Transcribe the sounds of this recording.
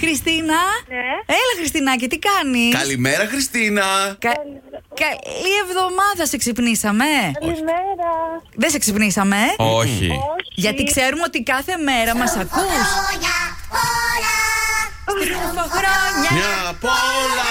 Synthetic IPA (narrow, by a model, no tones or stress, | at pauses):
xɾist̪inɐ | elɐxɾist̪inɐce̞t̪ikɐnikɐlimeɾɐxɾist̪inɐkɐkɐlie̞vðo̞mɐðɐse̞ksipnisɐme̞ | ɾɐðeseksipnisɐme̞oçḭʝɐt̪ikse̞ɾumeo̞t̪ikɐθe̞me̞ɾɐmɐsɐkuɲ | poxɾoɲɐɲɐpolɐ